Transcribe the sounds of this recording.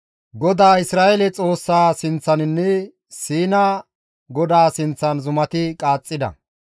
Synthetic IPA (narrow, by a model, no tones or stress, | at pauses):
ɡɔd̪aːɪsɾaːʔɛlɛt͡sʼo̞ːsːaːsɪnt͡sːɐnɪnːɛ | siːnɐ | ɡɔd̪aːsɪnt͡sːɐnzʊmɐt̪ɪkʼaːt͡sʼːɪd̪ɐ̰